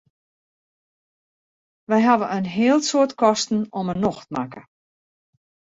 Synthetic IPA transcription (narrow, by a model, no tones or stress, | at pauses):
ʋɛjɦaʋəənɦɪəlˠsoətkʰɔstn̩ɔmənːoxtmakə